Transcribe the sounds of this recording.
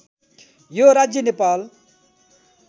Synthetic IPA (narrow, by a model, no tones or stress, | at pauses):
joɾad͡zjənepaːl